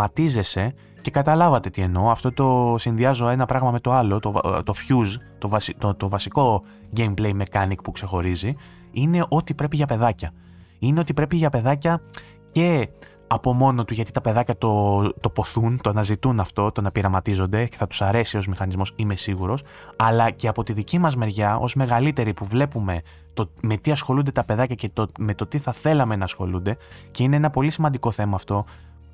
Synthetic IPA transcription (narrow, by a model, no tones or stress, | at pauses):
mɐt̪ize̞se̞ | ce̞kɐt̪ɐlɐvɐt̪et̪ie̞no̞ɐft̪o̞t̪o̞sinðiɐzo̞e̞nɐpɾɐɣmɐme̞t̪o̞ɐlo̞t̪ot̪o̞fçuzt̪ovɐst̪ot̪ovɐsiko̞ | ɟe̞jmple̞jme̞kɐnik̚pukse̞xo̞ɾizi | ine̞ʔo̞t̪ipɾe̞piʝɐpe̞ðɐcɐ | ineo̞t̪ipɾe̞piʝɐpe̞ðɐcɐ | ce̞ | ɐpo̞mo̞no̞t̪uʝɐt̪it̪ɐpe̞ðɐcɐt̪o̞t̪o̞po̞θunt̪o̞ɐnɐzit̪unɐft̪o̞t̪o̞nɐpiɾɐmɐt̪izo̞nd̪e̞ce̞θɐt̪u̥sɐɾe̞sio̞zmixɐnizmo̞sime̞siɣuɾo̞s | ɐlɐce̞ɐpo̞t̪iðicimɐzme̞ɾʝɐo̞̰zme̞ɣɐlit̪e̞ɾipuvle̞pume̞ | t̪o̞me̞t̪iɐsxo̞lund̪e̞t̪ɐpe̞ðɐcɐce̞t̪ome̞t̪o̞t̪iθɐθe̞lɐme̞nɐːsxo̞̰lund̪e̞ce̞ine̞enɐpo̞lisimɐnd̪iko̞θe̞mɐːft̪o̞